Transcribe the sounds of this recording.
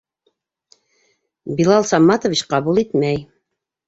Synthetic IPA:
bilˠɑlˠsɑmːɑt̪ovit͡ɕqɑβulˠit̪mæj

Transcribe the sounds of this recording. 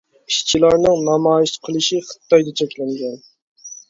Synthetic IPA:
iʃt͡ʃʰilˠɑɾnɨŋnɑmɑːjiʃqʰəlˠɨʃiχə̥t̪ʰːɑjd̪ɑt͡ʃʰɛkʲlɛŋɡʲɛn

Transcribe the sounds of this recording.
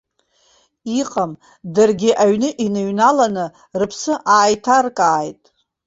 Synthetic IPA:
iqʼam | dɨrɡʲɪʔaɥnɨʔinɨɥnalanɨ | rɨpʰsɨʔaːjtʰarkʼaːjtʼ

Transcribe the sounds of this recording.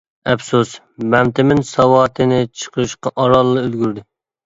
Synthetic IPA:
ɛpsus | bɛmt̪ɪmɪnsɑwɑːt̪ʰɨnɪt͡ʃʰə̥qʰəɨʃqɑʔɑɾɑlˠːɨølɡʲyɾd̪ɪ

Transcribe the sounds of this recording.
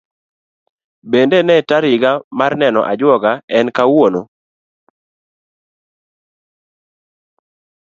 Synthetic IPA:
bendenɛtaɾɪɡamarnɛnɔ̰ʔa̰d͡ʒwɔɡaɛnkawono

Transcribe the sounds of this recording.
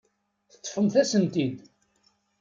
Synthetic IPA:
θə̥t̪ˤːfəmθæsənt̪id̪

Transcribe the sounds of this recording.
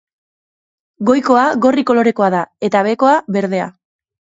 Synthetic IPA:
ɡo̞jko̞aɣo̞riko̞lo̞ɾe̞ko̞aðae̞t̪aβe̞ko̞aβe̞ɾðe̞a̰

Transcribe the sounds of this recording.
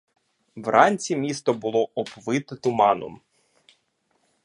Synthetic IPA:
ʋrɑnʲt͡sʲimʲist̪ɔbʊlˠɔɔpʋɪt̪ɪt̪ʊmɑnɔ̰m

